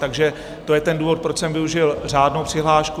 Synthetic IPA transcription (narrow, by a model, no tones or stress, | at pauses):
t̪aɡʒɛ | t̪o̞jɛt̪ɛnduːvo̞t̪̚pɾot͡ʃsɛmvɪuʒɪlr̝aːdnowpr̥ɪɦlaːʃku